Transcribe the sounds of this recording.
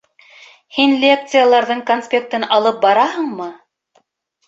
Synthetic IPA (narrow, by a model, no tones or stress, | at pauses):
hinlʲek̚t̪sɨjalˠɑɾðɤɴkonspʲe̞k̚t̪ɤnɑlˠɤp̚bɑɾɑhɤɴmɤ